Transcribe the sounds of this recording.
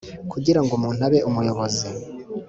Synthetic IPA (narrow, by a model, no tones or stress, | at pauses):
kʰuɟiɾaŋɡumuːn̥aβe̞ʔumujo̞βo̞zi